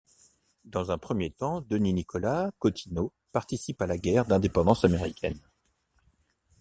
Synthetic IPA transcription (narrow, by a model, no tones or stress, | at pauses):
d̪ɑ̃zɛ̃pχəmjet̪ɑ̃d̪əninikʰɔlakɔt̪ʰino | paʁt̪isipalaɡʲɛʁd̪ɛ̃d̪epɑ̃d̪ɑ̃sameʁikʲɛn